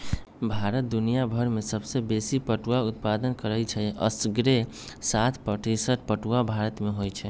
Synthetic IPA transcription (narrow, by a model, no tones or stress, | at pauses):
bʱaɾət̪̚d̪unijabʱəɾmesəbsebesipəʈuwaut̪̚pad̪ənkəɾət͡ʃʰɛə̰sɡɾe | sat̪ʰpəʈisəʈ̚ʰpəʈuabʱaɾət̪meɦojt͡ʃʰɛ